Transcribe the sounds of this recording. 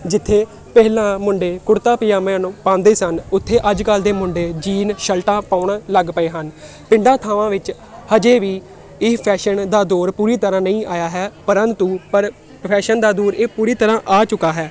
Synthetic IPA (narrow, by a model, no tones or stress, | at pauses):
d͡ʒɪt̪ʰːeː | pɛɦlãːmʊɳɖeːkʊɾt̪aːpɪjãːmɛ̃ːnːpãːnd̪eːsənʊt̪ʰːeːʔəd͡ʒkəld̪eːmʊɳɖeːd͡ʒiːnʃəlʈãːpaːʊɳːləɡpəẽːɦən | pɪ̃ɳɖãːt̪ʰaːʋãːʋɪt͡ʃ | həd͡ʒeːʋiː | ɪːpʰɛːʃənd̪aːd̪oːɾpuːɾiːt̪əɾãːnəĩːʔaːjaːɦɛːpəɾə̃nt̪uːpəɾ | pʰɛːʃənd̪aːd̪uːɾeːpuːɾiːt̪əɾãːʔaːt͡ʃʊkaːɦɛː